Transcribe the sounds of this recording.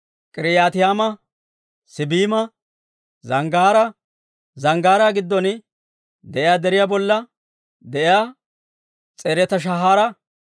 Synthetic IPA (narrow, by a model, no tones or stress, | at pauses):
kʼɪɾɪjaːt̪ɪjaːmɐ | sɪbiːmɐ | zɐŋɡaːɾɐ | zɐŋɡaːɾaɡɪd̪ːɔn | d̪ɛʔɪjaːd̪ɛɾɪjaːbɔlːɐ | d̪ɛʔɪjaː | t͡sʼeːɾɛt̪ɐʃ̬ɐɦaːɾɐ